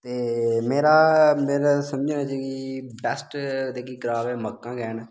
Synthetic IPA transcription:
t̪eːmeːɾaːmeːɾasəməd͡ʒnaːt͡ʃakibɛsʈd̪eːkiːɡɾaːʋɛːməkːãːɡɛːnː

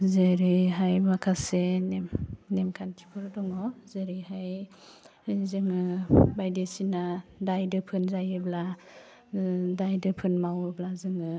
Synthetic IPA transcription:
zɯɾɯjɦajmakʰasenemnemkʰantʰi̥pʰɔɾdɔŋɔzɯɾɯjhaj | zɯŋɯbajdesinadajdɯpʰɯnzajɯbla | dajdɯpʰɯnmawɯblazɯŋɯ

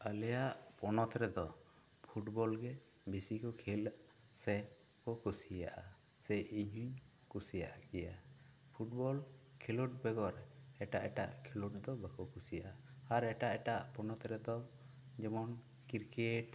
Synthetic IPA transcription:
əlɛjaʔpɔnɔt̪ɾɛd̪ɔ | pʰuʈbɔlɡɛ | bisikɔkʰil | sɛ | kɔkusija̰ʔa | sɛiɦiɲ | kusijaʔaɡɛja | pʰuʈ̚bɔl | kʰiluʈ̚bɛɡɔɾ | ɛʈaʔɛʈaʔkʰiluʈ̚d̪ɔbakɔkusijaʔa | aɾɛʈaʔɛʈaʔpɔnɔt̪ɾɛd̪ɔ | d͡ʒɛmɔn | kiɾkeʈ

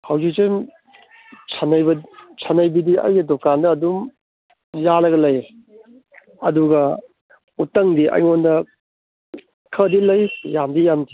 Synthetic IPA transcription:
hawzik̚sejm | sʰanɐjbɐsʰɐnɐjbidiɐ̰jɡidokandɐːdum | jalɐɡɐlɐj | ɐduɡɐ | utːɐŋdiʔɐ̰jŋondɐ | kʰɐdilɐjjamdijamdi

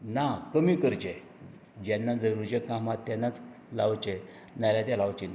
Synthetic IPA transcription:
nakəmikəɾt͡ɕe | d͡ʑɛnːad͡zəɾuɾt͡ɕekãmat̪ːanːat͡s | laʋt͡ɕe | naɾjat̪alaʋt͡ɕin

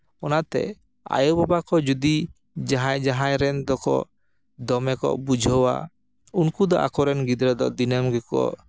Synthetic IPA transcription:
ɔnat̪ɛ̰ | a̰jɔbabakɔd͡ʒud̪i | d͡ʒaɦãjd͡ʒaɦajɾɛnd̪ɔkɔ̰ | d̪ɔmɛkɔ̰ʔbud͡ʒʱɔwa̰ | unkud̪ɔʔa̰kɔɾɛnɡid̪ɾɛd̪ɔʔd̪inəmɡɛkɔ̰ʔ

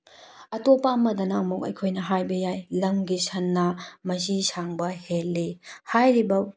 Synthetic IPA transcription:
ɐtopamɐdɐnaɐmokɐ̰jkʰojnɐɦajbɐjajlɐŋɡisʰɐnːɐmɐs̬isaŋbɐhelːihajɾibɐ

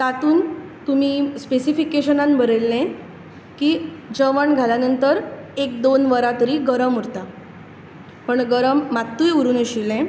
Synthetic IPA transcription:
t̪at̪uːnt̪umiːspesifikeɕənãnbʱəɾelːɛ̃ | kiːd͡ʑəʋəɳɡʱaljanənt̪əɾek̚d̪onʋəɾat̪əɾiːɡəɾəmuɾt̪a | pəɳɡəɾəmːat̪ːuːjuɾuːnəɕilɛ̃

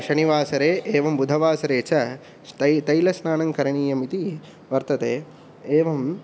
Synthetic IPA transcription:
ʃɐniʋaːsɐɾeːʔeːʋɐmbud̪ʱɐʋaːsɐɾeːt͡ʃɐ | t̪ɐt̪ɐjlɐsnaːnɐŋkɐɾɐɳiːjɐmit̪i | ʋɐɾt̪ɐt̪eː | eːʋɐm

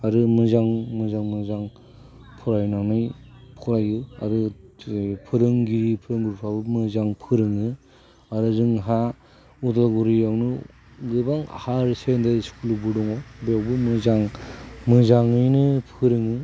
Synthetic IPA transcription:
aɾɯmɯzaŋmɯzaŋmɯzaŋ | pʰɔɾajnaŋnɯjpʰɔɾajɯa̰ɾɯ | pʰɯɾɯŋɡipʰɯɾɯŋbuɾpʰabɯmɯzaŋpʰɯɾɯŋɯ | aɾɯzɯŋɦa | udaɡuɾijawnɯ | ɡɯbaŋ̰haɾisendaskʰulubudɔŋɔbawbɯmɯzaŋmɯzaŋɯjnɯpʰɯɾɯŋɯ

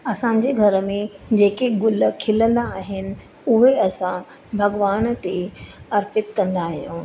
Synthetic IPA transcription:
ɐsãːɲ̆d͡ʑeɡʱɐɾəmẽd͡ʑeːkeɡʊləkʰɪlə̃nd̪aːɦɪnɪ̆ | ʊɦeɐsã | bʱɐɡʋaːnt̪eɐɾpɪt̪kɐ̃nd̪aːɦijõː

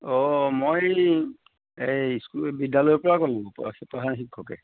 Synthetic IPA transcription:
ɔmoj | ejskubidːalojpɔɹakɔlʊ̃pipɹaɦanxikʰːɔkɛ̰

